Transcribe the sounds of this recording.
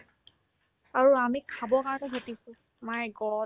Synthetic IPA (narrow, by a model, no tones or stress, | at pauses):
aɹuamikʰabɔkaɹkɛɦetisʊ̃ | majɡɔ